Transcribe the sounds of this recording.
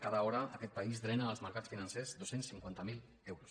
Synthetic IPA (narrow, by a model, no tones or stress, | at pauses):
kaðaɔɾəəkɛt̪̚pəizd̪ɾɛnaːlˠzməɾkasfinənsezd̪osensiŋkwant̪əmil | ɛwɾus